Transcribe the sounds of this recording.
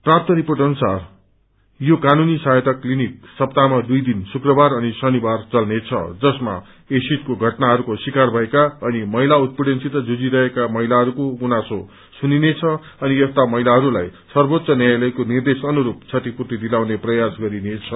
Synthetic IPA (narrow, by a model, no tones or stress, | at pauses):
prap̚t̪ʌɾipoʈʌnusar | jokanunisajt̪ʌklinik̚sʌp̚t̪amad̪ujd̪insukrʌbaɾʌnisʌnibart͡sʌlnet͡sʰʌ̰d͡zʌsma̰ | esit̪koɡʱʌʈnaɦʌɾukosikarbʱʌekaʌnimʌɦilaut̪̚pruɽensit̪ʌd͡zud͡ziɾʌɦekamʌɦilaɦʌɾukoɡunaso | suninet͡sʰʌ | ʌniʌst̪amʌɦilaɦʌɾulajsʌrbot̪sʌnjajlʌjkonird̪esʌnuɾup̚t͡sʰʌt̪ipurt̪id̪ilawneprʌjasɡʌɾinet͡sʰʌ